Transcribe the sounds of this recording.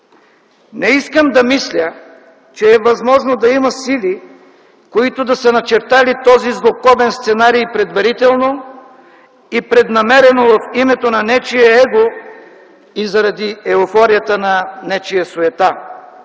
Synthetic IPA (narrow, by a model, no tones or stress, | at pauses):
nɛiskəmd̪ɐmislʲə | t͡ʃɛːɛvɐzmɔʒnod̪ɐimɐsili | koit̪ʊd̪ɐsənɐt͡ʃɛɾt̪alit̪ɔzizlˠokɔvɛnst̪sɛnaɾijpɾɛd̪vɐɾit̪ɛlˠno | ipɾɛd̪nɐmɛɾɛnovɐfimɛt̪onɐnɛt͡ʃijɛɛɡo | izɐɾɐd̪iɛofɔɾijət̪ənɐnɛt͡ʃijɐsoɛt̪a